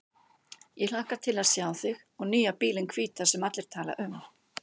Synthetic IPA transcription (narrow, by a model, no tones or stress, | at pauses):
jɛɣl̥aːhkat̪ʰɪlaðsjaːwθɪx | ɔɣniːjapiːlɪnkʰv̥iːt̪asɛmat̪lɪɾ̥t̪ʰaːla̰ʔʏm